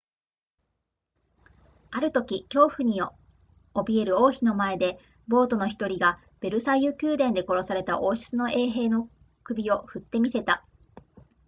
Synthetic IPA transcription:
aɾɯ̟t̪o̞kʲikʲo̞ːɸɯ̟ɲ̟io | obʲie̞ɾɯ̟o̞ːçino̞mae̞d̪e̞ | bo̞ːt̪o̞no̞çi̥t̪o̞ɾʲiɡa | b̥e̞ɾɯ̟saijɯkʲɨːd̪ẽnd̪e̞ko̞ɾo̞saɾe̞t̪aʔo̞ːɕi̥t͡sɨnoʔe̞ːɦe̞ːno̞ | kɯ̟bʲio̞ɸɯ̟t̪ːe̞mʲise̞t̪a

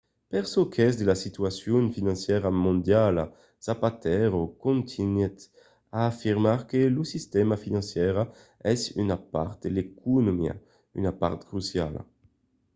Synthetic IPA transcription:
pɛʁsokʰɛzd̪elasit̪yasjunfinɑ̃nsjɛʁamõnd̪jala̰ | sapat̪ɛʁokõnt̪ʰinɛt̪ | aːfiʁmaʁkelusist̪ɛmafinɑ̃nsjɛʁa | ɛsy̰napa̰ʁt̪̚d̪elekʰunomia̰ | y̰napa̰ʁt̪kʁusja̰la̰

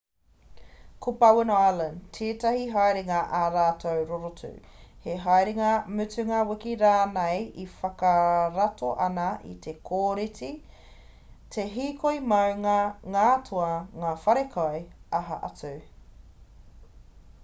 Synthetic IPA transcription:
kʰopɐwɪnoalɐntʰeːtɐhiɦajɾeŋɐʔaɾaːtʰowɾoɾotʉ̰heɦajɾeŋɐmʉtʉŋɐwɪkiɾaːnejifɐkɐɾɐtʰoʔɐnɐʔḭtʰe̞kʰoːɾiti | tʰe̞ɦiːkʰojmɐwŋɐŋaːtʰoɐŋaːfɐɾekʰaeɐɦɐʔɐt͡suː

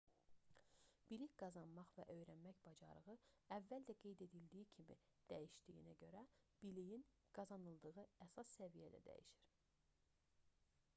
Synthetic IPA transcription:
b̥iliçɡɑzɑnmɑχvæʔø̞jɾænmæçb̥ɑd͡ʒɑɾɯʁɯævːæld̪æɡe̞jd̪e̞d̪ild̪ijicʰimḭd̪̥æjiʃd̪̥ijḭnæɟø̞ɾæb̥ilijin | ɡ̥ɑzɑnɯlˠd̪ɯʁɯæsɑsːævijæd̪æ̰d̪æ̰jḭʃiɾ̥

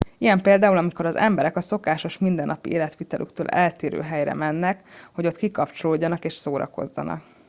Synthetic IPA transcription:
ijɛmpeːld̪aːulɒmiko̞ɾɒzɛmbɛɾɛkɒso̞kaːʃo̞ʃmind̪ɛnːɒpiʔeːlɛt̪ʋiːt̪ɛlʔy̰kt̪ø̰ːlʔɛlt̪eːɾø̰ːɦɛjɾɛ̰mɛnːɛkho̞ɟo̞t̪kikɒpt͡ʃo̞loːɟːɒnɒkeːʃsoːɾɒ̰ko̞̰zːɒ̰nʔɒ̰k

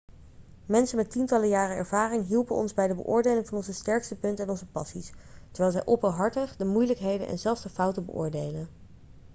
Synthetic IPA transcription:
mɛnsəmɛtintɑləjaːrəɛ̰ɹv̥aːrɪŋɦilˠpənɔ̰nzbɛjdəbə̰ʔʊːɹdejlɪŋvɑnɔnzəstɛɹkstəpɵntɛnɔnzəpɑsistɛɹʋɛjlˠzɛjʔɔpəɦɑɹtəχdəmujləkɦejdə̰nʔɛ̰nzɛlˠfzdəfʌwtəbə̰ʔʊ̰ːɹdejlən

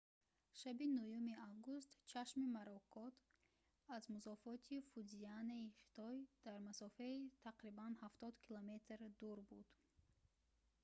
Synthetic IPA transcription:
ʃabinujumiavɡus̬t̪t͡ʃʰaʃmimaɾɔkʰɔt̪ʰ | azmuzɔfɔt̪ʰifuzianːaiχi̥t̪ʰɔjd̪̥aɾmasɔfait̪ʰaqɾibanhaft̪ɔd̪kʰilɔme̞t̪ɾd̪uɾbud̪̥

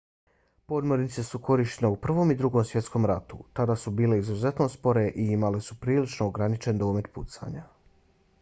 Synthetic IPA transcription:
po̞d̪mo̞ɾnit̪se̞suko̞ɾiʃteneupr̩ʋo̞mid̪ɾuɡo̞msʋje̞t̪sko̞mɾat̪ṵt̪ad̪aːsubiːle̞izuze̞t̪no̞spo̞ɾe̞ʔiimale̞supɾiːlit͡ʃnoːɡɾanit͡ʃe̞nd̪o̞ːme̞t̪pṵt̪sa̰ɲa

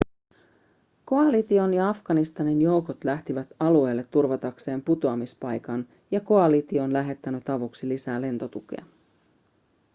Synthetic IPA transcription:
ko̞ɑlit̪io̞njɑɑfɡ̥ɑnist̪ɑninjo̞wkot̪læht̪iʋæt̪ɑlue̞ːlːet̪ːurʋɑt̪ɑkse̞ːmput̪oɑmispɑjkɑn | jɑko̞ɑlit̪io̞ːnlæɦe̞t̪ːænyt̪ɑʋoksilisæːle̞nt̪o̞t̪uk̟ḛɑ̰

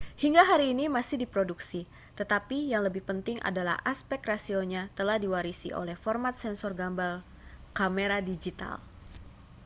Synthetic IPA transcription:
hiŋɡaɦaɾiːnimasɪhdipɾoduksi | t̪ət̪apijaŋləbɪhpənt̪ɪŋʔa̰dala̰hʔaspɛkrasioɲat̪əlahdiwaɾisḭʔo̰lɛhfɔrmat̪̚sɛnsɔrɡambal | kameɾadid͡ʒit̪a̰l

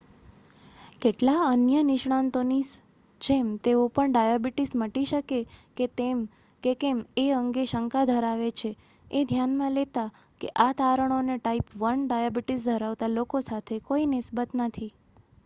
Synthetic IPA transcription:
keʈlaənjənɪʃɽ̃ãnt̪onis | d͡ʒemt̪eopəɳɖajabiʈisməʈiʃəkeket̪em | kekemeəŋɡeʃəŋkad̪ʱəɾaʋet͡ʃʰe | ed̪ʱjanmãlet̪a | keʔat̪aɾəɳ̃oneʈaipʋənɖajabiʈis̬d̪ʱəɾaʋt̪alokosat̪ʰekoinɪsbət̪nət̪ʰi

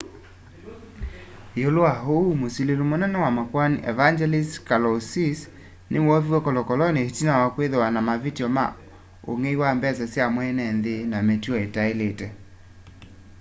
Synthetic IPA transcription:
eoloaɦoumosilelomonɛnɛwamakwaniʔɛ̰vand͡ʒɛlistkalɔsis | nʔewɔviwɛkɔlɔkɔlɔnehitinawakweðowanamavitiɔma̰ | o̰ŋeiwambɛzɛsjamwɛnɛnðenametiɔetaeletɛ

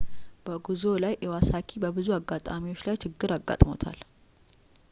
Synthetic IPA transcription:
b̥əɡuzo̞lajʔɛwasakʰibəbɨzuaɡːat̪ʼamiwot͡ʃːlajt͡ʃʰɪɡːɨɾaɡːa̰t̪ʼmo̰t̪ʰa̰l

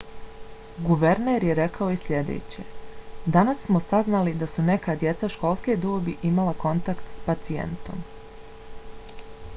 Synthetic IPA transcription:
ɡuʋe̞ɾneːɾjeɾe̞kʰaoisʎʲe̞d̪ḛːt͡ɕḛd̪anasːmo̞saznalid̪asune̞kad̪je̞t̪saʃko̞lˠsked̪oːbiʔimalˠako̞nt̪akt̪spat̪siḛnt̪o̞̰m

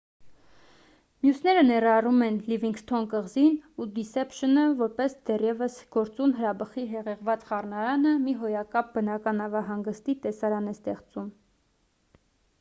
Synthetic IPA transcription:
mjusnɛɾənɛrɑrumɛnliviŋkst̪ʰɔnkəʁzinud̪isɛpʃənəvɔɾpɛsd̪ɛrjɛvəsɡ̥ɔɾt͡sunɦəɾɑbəχiɦɛʁɛʁvɑt͡sχɑrnɑɾɑnəmiɦɔjɑkɑp̚ʰbənɑkɑnɑvɑɦɑŋɡəst̪it̪ɛsɑɾɑnɛst̪ɛχt͡sum

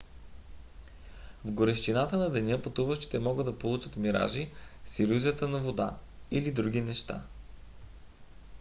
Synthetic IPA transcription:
vɡoɾɛʃt̪inat̪ənɐd̪ɛnʲɤpɐt̪uvəʃt̪i̥t̪ɛmɔɡəd̪ɐpolˠut͡ʃət̪miɾa̰ʒisiɾuziət̪ənɐvod̪a̰ilid̪ɾuɡinɛʃt̪a̰

